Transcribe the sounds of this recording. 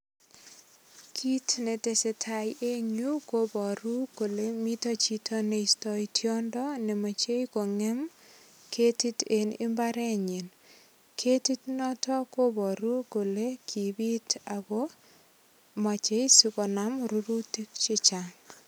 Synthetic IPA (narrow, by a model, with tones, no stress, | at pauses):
kʰi˦tne˨te˨se˨tʰa˨jʔe˦ɲu˦ko˦bɔ˨ɾu˦ko˨le˦mi˦to˦t͡ʃi˦tʰɔ˦ne˨istɔ˦itjɔ˦ndɔ˦nɛ˨ma˨t͡ʃe˦jko˨ŋɛ˦m | kʰe˦ti˦te˨nɪ̰˦mba˦ɾɛ˦ɲɪ˨n | kʰe˦ti˦tnɔ˦tɔ˦ko˦bɔ˨ɾu˦ko˨le˦kʰi˨bi˦ta˨ɡo˦ | ma˨t͡ʃe˦jsi˦kɔ˨namɾu˦ɾu˦ti˦kt͡ʃɪ˦t͡ʃa˨ŋ